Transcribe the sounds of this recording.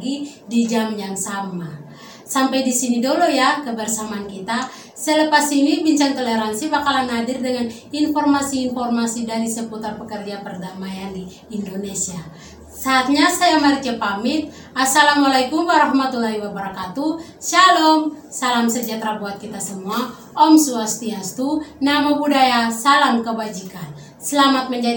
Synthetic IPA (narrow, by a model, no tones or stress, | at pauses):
ɡidid͡ʒamjaŋsama | sampajdisinidolojakəbərsamaːnkit̪a | sələpasinibiɲt͡ʃaŋt̪oleɾansibakalanɦadɪrdəŋan | infɔrmasiːnfɔrmasidaɾisəput̪arpəkərd͡ʒapərdamajandiː | ndonesia | saːt̪̚ɲasajaməɾit͡ʃəpamɪt̪̚ | asalamwalakumwaɾahmat̪ulaɦiwabəɾakat̪u | salɔmsalamsəd͡ʒat̪ɾabuat̪̚kit̪asəmua | ɔmsuast̪iast̪unamabudajasalamkəbad͡ʒikan | səlamat̪̚məɲd͡ʒa